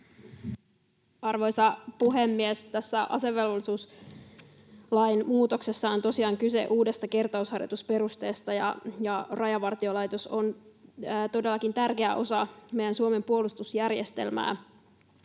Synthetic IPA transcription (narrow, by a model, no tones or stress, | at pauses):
ɑrʋo̞jsɑpuɦemːiest̪æsːæʔɑ̰se̞ʋːe̞lʋolːisuːs | lɑjnmuːt̪okse̞sːɑont̪o̞siɑːŋkysḛʔuːde̞st̪ɑke̞rt̪ɑushɑrjo̰t̪uspe̞ɾust̪e̞ːst̪ɑjɑ̰jɑrɑjɑʋɑrt̪iolɑjt̪o̞sonː | t̪o̞delːɑkint̪ærkeæʔo̞sɑme̞jænsuome̞mpuolust̪usjærjest̪e̞̰lmæ̰ː